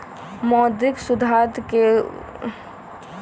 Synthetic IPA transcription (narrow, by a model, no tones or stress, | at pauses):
mɔd̪ɪksud̪ʱad̪ke